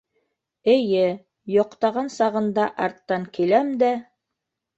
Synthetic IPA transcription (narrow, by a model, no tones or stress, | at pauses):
ɘ̆jɘ | jŏqt̪ɑʁɑnsɑʁɤ̆nd̪ɑʔɑɾt̪ːɑŋkilæmd̪æ